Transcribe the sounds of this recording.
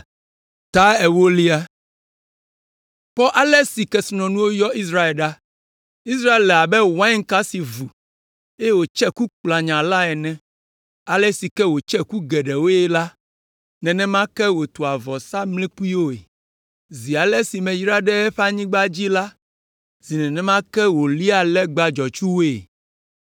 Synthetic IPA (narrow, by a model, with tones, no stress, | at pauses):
t̪a˦ɛ˨wo˦li˦a˦ | ɸɔ˦ʔa˦lɛ˦si˨kɛ˦snɔ̃˨nũ˦wo˦jɔ˦i˦s̬ɾa˦e˨lɖa˦ | i˦s̬ɾa˦e˨llɛ˨a˨bɛ˦wã˦i˦ŋ˦ka˦si˨vu˨ | e˦e˦˨wo˨t͡ʃɛ˦ku˦k͡pla˨ɲã˨la˦ɛ˨nɛ̃˦ | a˨lɛ˦si˨kɛ˦wo˨t͡ʃɛ˦ku˦ɡɛ˨ɖɛ˨wo˦jɛ˦la˦ | nɛ̃˨nɛ̃˦mã˦kɛ˦wo˨t̪o˨a˨vɔ˨sa˦mlĩ˦k͡pu˦i˦wo˦ḛ˨ | zi˨a˨lɛ˦si˨mɛ̃˨ji˦ɾa˦ɖɛ˦ɛ˦ɸɛ˦a˦ɲĩ˦ɡ͡ba˦d͡ʑi˦la˦ | zi˨nɛ̃˨nɛ̃˦mã˦kɛ˦wo˨li˦a˨lɛ˦ɡ͡ba˨d͡ʒɔ˨t͡ʃu˦wo˦ḛ˨